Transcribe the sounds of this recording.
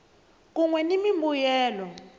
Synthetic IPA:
k̬uŋwɛnimimbujɛːlɔ

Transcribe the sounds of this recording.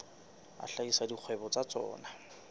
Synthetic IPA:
a̰ɬaisadiq͡χʰwɛbɔt͡sat͡sɔ̰ːna

